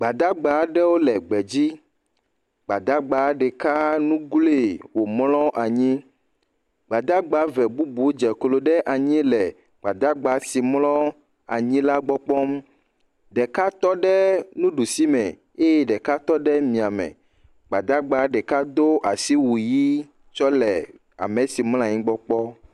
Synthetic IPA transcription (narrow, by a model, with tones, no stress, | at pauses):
ɡ͡ba˨d̪a˦ɡ͡ba˨˦ɖɛ˦wo˦lɛ˨ɡ͡bɛ˨d͡ʑi˦ | ɡ͡ba˨d̪a˦ɡ͡ba˨˦ɖɛ˨ka˦nũ˦ɡle˦˨wo˨mlɔ˦ʔa˨ɲĩ˦ | ɡ͡ba˨d̪a˦ɡ͡ba˨˦vɛ˨bu˦bu˨˦d͡ʒɛ˨klo˨ɖɛ˦ʔa˨ɲĩ˦lɛ˨ | ɡ͡ba˨d̪a˦ɡ͡ba˨˦si˨mlɔ˦ | a̰˨ɲĩ˦la˦ɡ͡bɔ˦k͡pɔ˦m | ɖɛ˨ka˦t̪ɔ˦ɖɛ˦nũ˦ɖu˨si˦mɛ̰̃˨ | e˦jɛ˦ɖɛ˨ka˦t̪ɔ˦ɖɛ˦mĩ˨a˨mɛ̰̃˨ | ɡ͡ba˨d̪a˦ɡ͡ba˨˦ɖɛ˨ka˦d̪o˦ʔa˨si˦wu˨ji˦ | t͡ʃɔ˦lɛ˨ | a̰˨mẽ˨si˨ml̃ɔ̃˦a˨ɲĩ˦ɡ͡bɔ˦k͡pɔ˦